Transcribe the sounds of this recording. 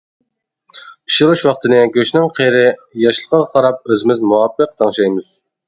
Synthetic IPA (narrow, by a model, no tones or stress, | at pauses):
iʃuɾuʃwɑqt̪ʰɨnɨɡʲøʃnɪŋqʰeɾɪjɑʃlˠəqʰɑʁɑqʰɑɾɑp̚øzɪmɪzmuwɑpːəq̚t̪ʰɑŋʃɑjmɨz̥